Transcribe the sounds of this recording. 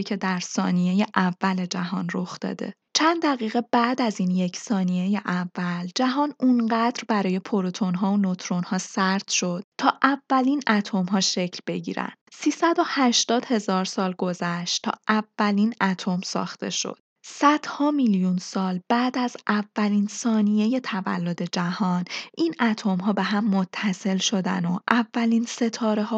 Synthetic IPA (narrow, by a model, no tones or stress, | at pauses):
cʰe̞d̪æɾsɒ̰ːnije̞jeʔævːæle̞d͡ʒæɦɒːnro̞xd̪ɒ̰ːd̪e̞̰ | t͡ʃʰænd̪d̪æɣiːɣe̞bæʔd̪æzinje̞cʰsɒːnijejeʔævːæld͡ʒæɦɒːnunɢæd̪ɾbæɾɒːje̞pʰoɾot̪ʰo̞nɦɒːonot̪ʰɾo̞nhɒːsæɾt̪ʃo̞d̪̥̚t̪ʰɒːʔævːæliːnʔæt̪ʰo̞mɦɒːʃe̞cʰlbe̞ɟḭːɾæ̰nd̪̥siːsæd̪o̞hæʃt̪ɒːd̪̥he̞zɒːɾsɒːlɡo̞zæʃt̪t̪ʰɒ̰ːʔævːæliːnæt̪ʰo̞msɒ̰ːxt̪e̞̰ʃo̰d̪̥sæd̪̥hɒːmiljunsɒːlbæːd̪æzʔævːæliːnsɒːnije̞je̞t̪ʰævæ̰lːo̞d̪e̞d͡ʒæhɒːnʔinʔæt̪ʰomɦɒːbe̞ɦæmːo̞t̪ʰːæse̞lʃo̞d̪æ̰noʔævːæliːnse̞t̪ʰɒːɾe̞ɦɒː